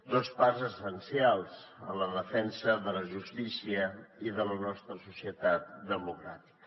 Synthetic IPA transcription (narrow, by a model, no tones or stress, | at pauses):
d̪osparzəsənsialˠzənləðəfɛnsəðələʒust̪isiəiðələnɔst̪ɾəsusiət̪at̪̚d̪əmukɾa̰t̪i̥kə